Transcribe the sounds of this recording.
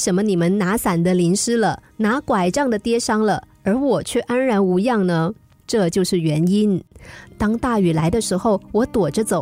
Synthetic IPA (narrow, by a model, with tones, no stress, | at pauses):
e˥ʂə˧˥mə˧ni˨˩mə˦nna˧˥sa˨˩nd̪ə˦li˧˥nʂɻ̩˥lə˨na˧˥kwa˨˩ɪʈ͡ʂɑ˥˩ŋd̪ə˩t̪jɛ˥ʂɑ˥ŋlə˨ə˞˧˥wɔ˨˩t͡ɕʰɥɛ˥˩ʔa˥nɻa˧˥nu˧˥jɑ˥˩ŋnə˧ | ʈ͡ʂɤ˥˧t͡ɕjo˥˧ʊʂɻ̩˥˩ɥɛ˧˥ni˥nt̪ɑ˥ŋt̪a˥˩y˨˩la˧˥ɪd̪ə˧ʂɻ̩˧˥xo˥˧ʊwɔ˧˥t̪wɔ˨˩ʈ͡ʂə˦t͡so˨˩˦